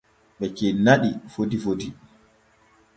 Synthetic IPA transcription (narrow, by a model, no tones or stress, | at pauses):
ɓɛkenaɗifodifodi